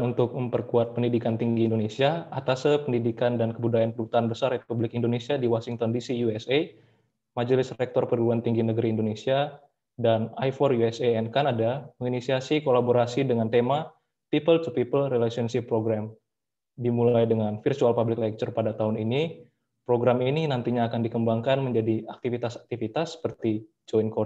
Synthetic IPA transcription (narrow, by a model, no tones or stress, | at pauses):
nunt̪ʊk̚məmpərkuat̪̚pəndidikant̪iŋɡiːndonesiaat̪asəpəndidikandankəbudajanpədut̪aːnbəsarepublɪkindonesiadiwasiŋt̪ɔndisijuɛse | mad͡ʒəlɪsrɛk̚t̪ɔrpəduluant̪iŋɡinəɡəɾiːndonesia | danajfɔrjuɛseɛnkanadaməŋinisiasikolaboɾasidəŋant̪ema | pipəlt̪upipəlrɛlasiɔnʃɪpːɾoɡɾam | dimulajdəŋanfirt̪ualpablɪklak̚t͡ʃərpadat̪aɦʊnini | pɾoɡɾamininant̪iɲaːkandikəmbaŋkanməɲd͡ʒadiak̚t̪ifit̪asak̚t̪ifit̪asːə̥pərt̪i | d͡ʒɔinkɔ